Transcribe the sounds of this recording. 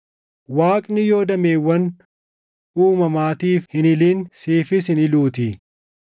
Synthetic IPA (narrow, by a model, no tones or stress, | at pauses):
waːkʼnɪjo̞ːd̪ɐmeːwːɐn | uːmɐmaːt̪iːfhɪnɪliːnsiːfɪs̬ɪnɪluːt̪i